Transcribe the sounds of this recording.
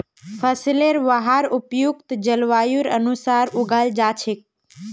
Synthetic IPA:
fʰəsleɾʋəɦaɾupjukt̪d͡ʒəlʋajuɾə̰nusaɾuɡald͡ʒat͡ʃʰek̚

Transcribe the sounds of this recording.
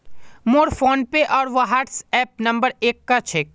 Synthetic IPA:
moːɾfoːnpeʔɔːɾʋoɦaːɾʈsɛːp̚nɐ̃mbəɾeːkːat͡ʃʰeː

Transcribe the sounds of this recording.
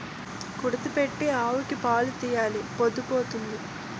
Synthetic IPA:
kuɽɐt̪ipeʈːiaːʋukipaːlut̪iːjaːlipod̪upoːt̪und̪i

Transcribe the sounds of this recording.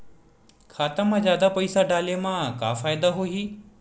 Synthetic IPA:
kʰaːt̪amãzjaːd̪apɐisaɖaːlemãka̰ːfaːjd̪aɦoɦiː

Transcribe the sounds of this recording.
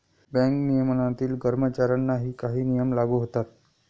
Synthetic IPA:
bɛ̃ŋknijəmnat̪iːlɡəɾmət͡ɕaɾanːaɦiːkaɦiːnijəmlaɡuɦot̪at̪

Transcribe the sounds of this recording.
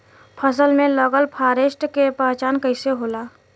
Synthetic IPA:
pʰəs̬əlmẽləɡəlpʰaːɾeːʃʈkepãːt͡ʃaːnkəɪseɦoːlaː

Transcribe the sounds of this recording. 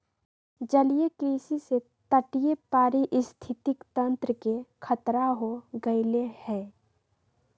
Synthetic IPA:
d͡ʒəlijekɾiːsise | t̪əʈijepaːɾiʔɪst̪ʰɪt̪ɪkt̪ə̃nt̪ɾəkekʰət̪ɾaɦoɡəɪlehɛ̃ː

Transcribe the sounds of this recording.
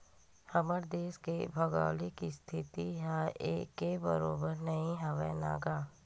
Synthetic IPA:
həməɾd̪eːskebʱəɡa̰ːlikist̪ʰɪt̪iɦaeːkebə̰ɾoːbəɾnəĩɦəʋə̰na̰ːɡaː

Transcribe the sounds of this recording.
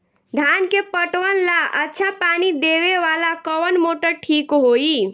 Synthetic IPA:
d̪ʱankepəʈʋənlaʔətːt͡ʃʰapanid̪eβeʋalakəwənmoʈəʈʰikɦoi

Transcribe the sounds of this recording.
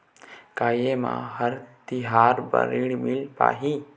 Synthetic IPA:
kaːjemã̰ːɦəɾt̪ɪɦaːɾbə̰ɾiɽmɪlpa̰ːɦĩː

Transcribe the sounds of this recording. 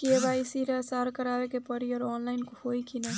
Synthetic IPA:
kiebajsiɾasaɾkəɾabekepəɾiɔɾɔnlaɪnkohojkʰina

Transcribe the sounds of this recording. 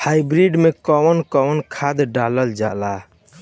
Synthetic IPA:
haibɾiɖmekɔwənkɔwənkʰad̪ɖaləld͡ʒa̰la

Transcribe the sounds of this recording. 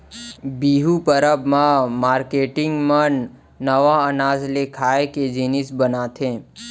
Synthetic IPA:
biɦupəɾəbmãmaːɾkeʈɪŋɡmənː | əʋaənaːzlekʰaeked͡ʒinɪsbənat̪ʰẽ

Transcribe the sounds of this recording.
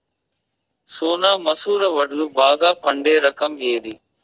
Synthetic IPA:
soːnaːmɐsuːɾɐʋɐɽulubaːɡaːpɐɳɖeːɾɐkɐmeːd̪i

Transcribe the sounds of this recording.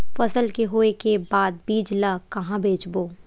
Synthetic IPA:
fɐsəlkeɦoːekebaːd̪̚biːd͡ʒlakɐɦãbʱeːt͡ʃboː

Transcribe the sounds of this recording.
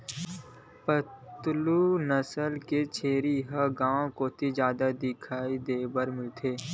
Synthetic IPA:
pət̪luːnəsəlket͡ʃʰeːɾiɦəɡãːõkot̪ʰizjaːd̪ad̪ɪkʰaːid̪eːbəɾmɪlt̪ʰeː

